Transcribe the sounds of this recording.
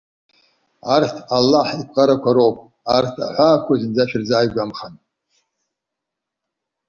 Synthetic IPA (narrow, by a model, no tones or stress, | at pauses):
artʰalːaħikʷʼqʼaɾakʷʰaɾowpʼ | artʰa̰ħʷaːkʷʰazɨnd͡zaʃᶣɪrzaːjɡʷamχan